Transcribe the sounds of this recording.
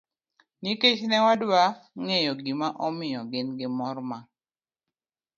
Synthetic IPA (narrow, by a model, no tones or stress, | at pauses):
niket͡ʃnɛwadwaŋejɔɡimaʔɔmɪjɔɡɪnɡɪmɔrma